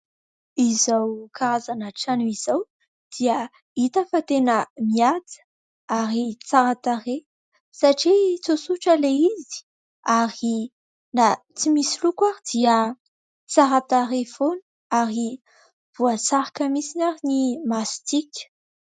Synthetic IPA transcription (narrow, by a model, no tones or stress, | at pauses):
izawkaɾazanaʈ͡ʂanuizaw | d̪̥iə | it̪afət̪enəmiat͡sə̥ | aɾit͡saɾat̪aɾe | saʈ͡ʂit͡sosuʈ͡ʂəleizi̥ | aɾi | na | t͡simisilukwaɾid̪̥iə | t͡saɾat̪aɾefonə̥ | aɾi | b̥uat͡saɾakəmisinaɾinimast̪ikʲə̥